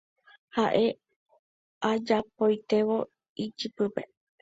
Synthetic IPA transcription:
haʔe | ad͡ʒapojt̪e̞ʋo | it͡ʃɨpɨpe̞̰

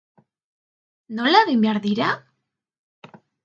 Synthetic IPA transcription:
nolaðimbjaɾðiɾa

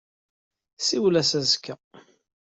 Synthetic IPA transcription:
siwlæsæzkːæ

